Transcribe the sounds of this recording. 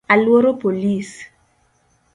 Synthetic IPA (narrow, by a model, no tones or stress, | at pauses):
alwoɾopolis